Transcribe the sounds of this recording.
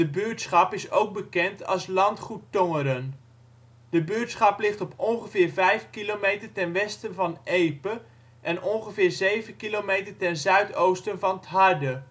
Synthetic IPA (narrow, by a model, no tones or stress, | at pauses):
dəbøːtsχɑpɪsowk̚bəkɛntʰɑ̰lˠslɑntχutːɔŋəɾən | dəbʏːtsχɑplɪχtɔpɔnχəvɪːɹvɛjfkilomejtəɹtɛnʋɛstənvɑnʔejpə | ʔɛnʔɔnχəvɪːɹzejvənkilowmejtəɹtɛnzœɥtowstənvɑnətɦɑɹdə